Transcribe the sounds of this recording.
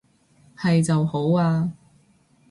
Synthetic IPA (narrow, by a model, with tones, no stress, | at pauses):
hɐ˨jt͡sɐ˨who˨˥waː˧